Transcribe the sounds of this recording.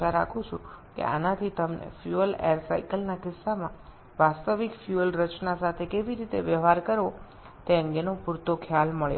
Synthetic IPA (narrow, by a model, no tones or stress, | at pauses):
aɾakʰũt͡ʃʰṵ̃kḛa̰nat̪ʰit̪əmnḛfjuəlḛəɾsaikəlnakɪsːamã | ʋast̪əʋikfjuəlɾət͡ʃnasat̪ʰekeʋiɾit̪eʋjəʋɦaɾkəɾo | t̪eə̃ŋɡenopuɾt̪okʰjalməɭjo̰